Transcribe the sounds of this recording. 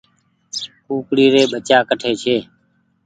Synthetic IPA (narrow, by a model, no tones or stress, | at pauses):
kuːkɽiːɾeːɓət͡ʃaːkəʈʰeːt͡ʃʰeː